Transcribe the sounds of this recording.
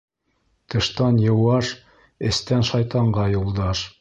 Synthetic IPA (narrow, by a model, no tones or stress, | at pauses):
t̪ɤ̆ʃt̪ɑnjɤ̆wɑʃ | ɘ̆st̪ænʃɑjt̪ɑɴɢɑjulˠd̪ɑʃ